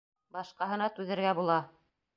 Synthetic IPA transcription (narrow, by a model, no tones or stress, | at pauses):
bɑʃqɑɦɤ̆nɑt̪ʉðɘ̆ɾɡæbulˠɑ